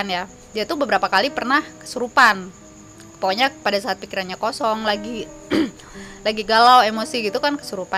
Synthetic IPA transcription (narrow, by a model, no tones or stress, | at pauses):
nja | diat̪ubəbəɾapakalipərnahkə̥suɾupan | ə̥poɲakpadasaːt̪̚pikiɾanɲakosɔŋlaɡi | laɡiɡalawemosiɡit̪ukankə̥suɾupa